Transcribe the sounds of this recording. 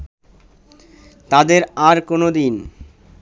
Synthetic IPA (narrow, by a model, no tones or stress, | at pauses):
t̪ad̪eɾaɾkonod̪in